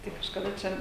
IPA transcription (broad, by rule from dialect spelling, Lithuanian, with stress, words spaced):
ˈtɐɪ kɐʃkɐˈdɐ ˈt͡ʃʲɛ